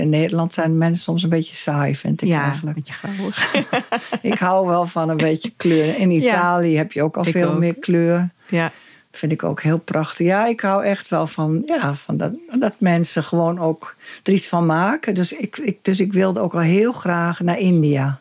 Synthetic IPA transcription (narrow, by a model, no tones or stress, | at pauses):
ɪnːeːdəlɑntsɛjnəmɛnsəsomsənbetjəsajfɪ̰ntɪkɛjɣənlək | ʔɪkhawʋɛlˠfɔnənbeːtjəkløərəɪnitaːlˠjəhɛpʰjəoːkɔlˠfeːlˠmɪəkʰløːrən | fɪndɪko̰ːkhɪːlˠprɔxtəxjaɪkhawɛxtʋɛlˠfɔnjafɔnddɔtmɛnsəxəʋoːnoːkd̥ərisfɔnmaːkədøsɪkɪdøs̬ɪkʋɪlˠdəoːkʋɔlˠɦiəlˠxraːxnaɪndia